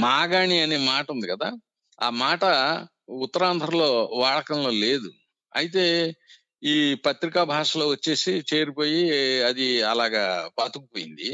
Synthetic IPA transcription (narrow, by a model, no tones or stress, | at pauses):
maːɡaːniɐneːmaːʈund̪ikɐd̪aː | aːmaːʈɐ | ut̪ːɐɾaːnd̪ʱɾɐlo̞ːʋaːɽɐkɐmlo̞ːleːd̪u | ɐjit̪̬e̞ː | iːpɐt̪ɾikaːbʱaːʂɐlo̞ːʋɐt͡ʃːe̞ːsit͡ʃe̞ːɾipo̞ːjiɐd̪iɐlaːɡaːpaːt̪ukupoːjḭnd̪i